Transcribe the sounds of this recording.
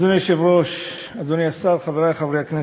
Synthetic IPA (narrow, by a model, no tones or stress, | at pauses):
d̪oneʃevʁoʃad̪oniasaɾχaveʁajχavɾejakne